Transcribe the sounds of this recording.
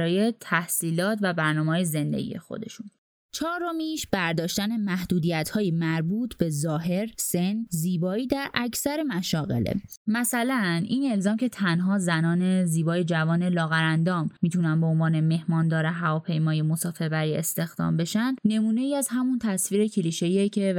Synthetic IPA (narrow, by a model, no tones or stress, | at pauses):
ɾɒːjet̪ʰæhsiːlɒːt̪ʰvæbæɾnɒːmehɒːjeze̞nd̪ḛɟḭje̞̰xo̞̰d̪e̞̰ʃun | t͡ʃʰɒːɾomiːʃb̥æɾd̪ɒːʃt̪æne̞mæhd̪̥uːd̪ijæt̪ʰhɒːjemæɾbuːt̪ʰbe̞zɒːɦe̞ɾse̞nziːbɒːiːd̪æɾʔæcʰsæɾe̞mæʃɒːɣe̞̰lḛ | mæsælæniːne̞lzɒːmcʰe̞t̪ʰænɦɒːzænɒːne̞ziːbɒːjed͡ʒævɒːne̞lɒːɣæɾænd̪ɒːmːiːt̪ʰunænbeonvɒːne̞me̞hmɒːnd̪ɒːɾeɦævɒːpʰe̞jmɒːjemo̞sɒːfe̞ɾbæɾiest̪e̞xd̪̥ɒ̰ːmbe̞ʃænd̪̥ne̞muːne̞iːæzhæmunt̪ʰæsfiːɾecʰeliːʃe̞iecʰe̞